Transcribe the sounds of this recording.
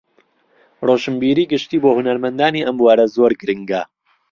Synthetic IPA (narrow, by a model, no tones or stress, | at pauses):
roːʃɨmbiːɾiːɡɨʃt̪iːboːhunɐɾmɐnd̪aːniːʔɐmbwaːɾɐzoːɾɡɨɾɨŋɡɐ